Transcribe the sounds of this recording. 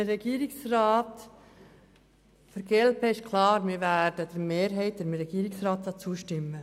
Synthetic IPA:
ɾɛɡ̥iːɾɪksrɑːt | fəɾɡ̥ɛlpɛɪʃkʰlɑːɾmɪɾvæd̥əd̥̪ɛɾmeːɾɦɛɪt̚d̥̪ɛmɾɛɡ̥iːɾɪksrɑːtsɑt͡suːəʃtɪmːə

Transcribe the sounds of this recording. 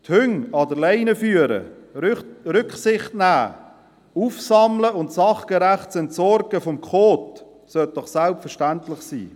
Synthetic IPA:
thʏŋɑdəleɪnəfyːəɾə̰ | ɾʏkχsɪχtnæː | uːfsɑmləʊntsɑχɡ̥əɾæχtsɛntsɔɾɡəfɔmkχoːt | sœt̚d̥ɔχsalpfəɾʃtæntlɪχsḭː

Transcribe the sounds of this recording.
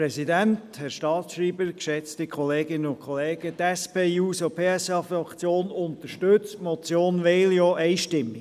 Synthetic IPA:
ɾɛsidænthɛɾʃtɑːtsʃɾiːbəɾkʃɛt͡stɪkʰχɔleːɡɪnənʊnkʰχɔleːɡ̥ət̪ɛspeːuːsopʰeːɛsɑːfɑkt͡sjoːnʊnt̪əɾʃtøt͡stmɔt͡sjoːnʋɛɪljɔʔɛɪʃtɪmːi

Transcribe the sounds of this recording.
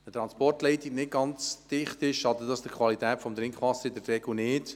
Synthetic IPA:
ətɾɑnspɔrtlɛɪtiɡnɪt̚ɡɑnt͡sd̥ɪχtɪʃɑd̪ədɑsd̥əkʰvɑlitɛːtfɔmd̪ɾɪŋkχʋɑsːəɾɪdəɾrɛɡl̩nɪːt

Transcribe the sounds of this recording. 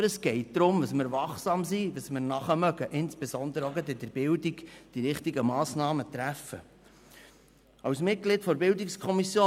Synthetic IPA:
ɾəsɡ̥ɛɪt̚d̪̥ɾʊmdəsmɪɾvɑχsɑːmsidəsmɪɾnɑχəmœɡəʔɪnsb̥ezɔnd̪əɾəoɡədɪd̥̪əɾb̥ɪldiɡd̥iɾɪχtiɡəmɑːsnɑːmət̪ɾæfə̰ | ɑwsmɪt̚ɡ̥lɪtfɔɾbɪldikskʰɔmisjoː

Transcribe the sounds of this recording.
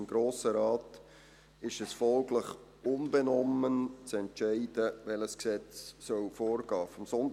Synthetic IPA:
mɡ̥ɾoːsəɾɑːt | ɪʃɛsfɔlɡləχ | ʊnbɛnɔmənt͡sɛntʃæɪd̥əʋɛləsksɛt͡ssœlfoːɾɡ̥ɑːfɔmsɔnd

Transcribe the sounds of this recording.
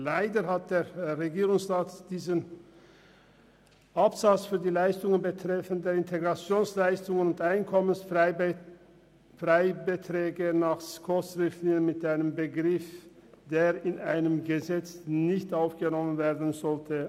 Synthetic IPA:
laɪdəhat̚d̥eːʁeɡiːʁʊŋsʁaːtd̥iːzən | ʔapz̥at͡sfyːɐdiːlaɪstʊŋənbətʁ̥ɛfəndeːɐɪntʰeɡʁat͡sjoːnslaɪstʊŋənʊntʔaɪnkʰɔməns | fʁaɪbətʁɛːɡənaːχskʰɔsʁɪftlɪŋənmɪtʔaɪnəmbəɡʁɪfd̥eːʁɪnʔaɪnəmɡəzɛt͡snɪçtʔaʊfɡ̥ənɔmənveːɐdn̩zɔltʰə

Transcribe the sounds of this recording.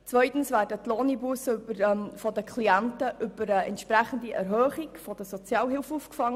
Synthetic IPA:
t͡svœʏt̪n̩svæːrdətlɔnibusybəɾfɔd̪əkʰliæntəʔʏb̥əɾəɛntʃpɾæχən̩diʔɛɾɦœːχikfɔd̥əsɔt͡sjɑːlɦɪlfufkfɑŋːə

